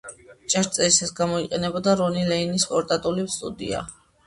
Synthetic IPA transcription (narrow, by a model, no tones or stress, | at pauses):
t͡ʃʼaɾt̪sʼɛisasɡamɔiqʼɛnɛbɔd̪aɾɔnilɛinispʼɔɾt̪ʼat̪ʼulimst̪ʼud̪ḭa̰